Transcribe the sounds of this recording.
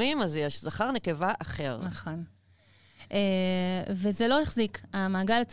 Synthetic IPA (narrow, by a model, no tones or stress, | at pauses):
imazjɛʃz̥aχaʁnekevaʔaχe̞ʁnaχo̞n | ʔevezelo̞heχzikamaːɡalat͡s